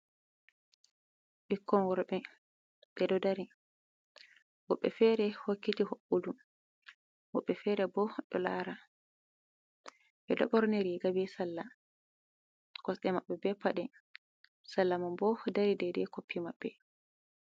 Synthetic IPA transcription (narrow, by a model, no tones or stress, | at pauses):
ɓikːɔnwɔɾɓɛ | ɓɛdɔdaɾi | wɔɓːɛ̰fɛɾɛhokːitihoʔudum | wɔɓːɛfɛɾɛbɔɗɔ̰la̰ːɾa | ɓɛdɔ̰ɓɔɾnɛɾiɡabɛsalːa | kɔsɗɛmaɓːɛbɛpːaɗɛ | salːamambɔdaɾidɛdɛkopːimaɓːɛ